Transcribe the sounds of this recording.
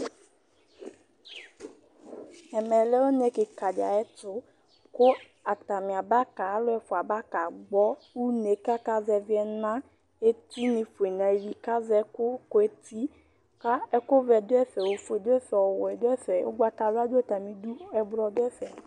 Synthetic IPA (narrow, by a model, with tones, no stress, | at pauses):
ɛ˨mɛ̃˨lɛ˦wo˦nɛ̃˦ke˨ka˨d͡ʒa̰˨ɛ˦t̪ʊ˦ | ko˦ | a˨t̪a˨mĩ˨a˨ba˦ka˨˦lo˦ɛ˨fo˨a˨ba˦ka˨ɡ͡bɔ˦wu˦ne˨ka˦ka˦zɛ˨vi˦ɛ˦nã˦ | e˦t̪i˦nẽ˨fo˨e˨nã˨e˨vi˨ka˦zɛ˦kʊ˦ko˦e˦t̪i˦ | ka˦ɛ˦ko˦vɛ˨do˦ɛ˦fɛ˨wo˨fo˨e˨do˦ɛ˦fɛ˨ɔ˨wɔ˨ɛ˨do˦ɛ˦fɛ˨˦wo̰˦ɡ͡ba˨t̪a˨la˦do˦e˦t̪a˨mĩ˨du˦ɛ˨blɔ˨do˦ɛ˦fɛ˨